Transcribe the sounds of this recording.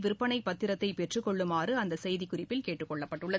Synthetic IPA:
ʋɪɾɯpːɐnɐɪpːɐt̪ːɪɾɐt̪ːɐɪpɛʈrɯkːɔɭːɯmaːrɯɐnd̪ɐsɛjðɪkːʊrɪpːɪlkeːʈːɯkːɔɭːɐpːɐʈːɯɭːɐ

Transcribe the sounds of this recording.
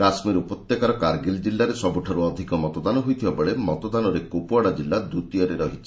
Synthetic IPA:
ɾasmiɾupɔt̪jekaɾɔkaɾɡild͡ʒilːaɾesɔbuʈʰaɾuɔd̪ʱikɔmɔt̪ɔd̪anɔɦujt̪ʰibabeɭemɔt̪ɔd̪anɔɾekopuaɽad͡ʒilːad̪ut̪ijɔɾeɾɔɦit͡ʃʰi̥

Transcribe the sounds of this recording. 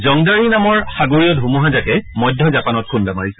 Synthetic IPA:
zɔŋdaɹinamɔɹxaɡoɹijɔdʱɦumuɦazakɛmɔjdʱːjɔzapanɔt̚kʰundamaɹisɛ

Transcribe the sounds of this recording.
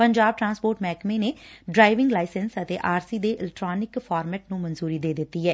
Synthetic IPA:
pəɲd͡ʒaːb̚ʈɾãːnspoːɾʈmɛːkmeːneːɖɾaːɪʋɪŋɡlaːɪsənsət̪eːʔaːɾsiːd̪eːʔɪlɛk̚ʈɾaːnɪkfʰaːɾmɛːʈ̚nũːmənzuːɾiːd̪eːd̪ɪt̪ːiːɦɛː

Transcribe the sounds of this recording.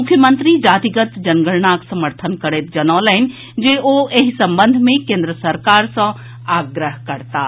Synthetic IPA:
mʊkʰjəmə̃nt̪ɾid͡ʒaːt̪iɡət̪d͡ʒɐnɡəɭnaksɐməɾt̪ʰənkəɾet̪̚d͡ʒɐnɔːlɛɪn | d͡ʒeʔoeɦisɐ̃mbə̃nd̪ʱmẽkẽːnd̪ɾəsəɾkaːɾsə̃ | aːɡɾəɦkəɾt̪aː

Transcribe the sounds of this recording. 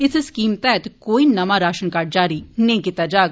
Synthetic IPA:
ɪsskiːmt̪ɛt̪koːiːnɐmãːɾaːʃənkaɾd͡ʒaːɾiːnẽːkɪt̪aːd͡ʒaːɡ

